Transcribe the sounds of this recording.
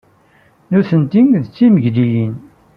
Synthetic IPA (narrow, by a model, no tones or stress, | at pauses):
nuθənt̪iŋðət͡sːiməʝlijin